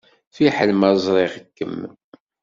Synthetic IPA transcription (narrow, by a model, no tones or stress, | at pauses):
fiħəlmæzˤɾˤeʁəkːəmː